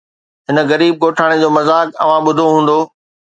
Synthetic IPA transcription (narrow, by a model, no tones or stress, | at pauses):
ɦɪnə̆ɣɐɾiːb̚ɡoːʈʰaːɽ̃ed͡ʑoːmɐzaːkɐ̰ʋ̤ãɓʊd̪ʱoɦũːn̆d̪oː